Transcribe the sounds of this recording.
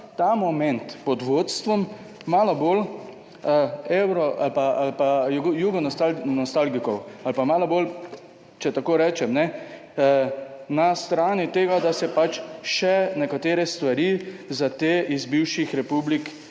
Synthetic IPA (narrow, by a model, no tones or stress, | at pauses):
t̪amɔmɛnt̪pɔd̪ʋot̪st̪ʋɔmː | aːlɔbol | ewɾɔʔalpaalpajuɡɔnɔt̪anɔst̪alɡikɔwalpamaːlɔbol | t͡ʃɛt̪akoːɾɛːt͡ʃɛmnɛ | nast̪ɾaːnit̪eːɡad̪asɛpat͡ʃʃɛnɛkat̪eːɾɛst̪ʋaɾizat̪eːʔizbiwʃixɾɛpublik